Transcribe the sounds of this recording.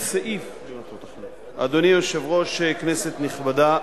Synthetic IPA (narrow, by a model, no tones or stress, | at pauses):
saʔif | t̪ot̪ | a̰d̪onijoʃevʁo̞ʃeknese̞t̪niχbad̪a